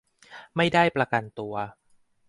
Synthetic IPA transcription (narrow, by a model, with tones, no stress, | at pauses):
ma˥˩jda˥˩jpɾa˧ka˧nt̪u˧ɐ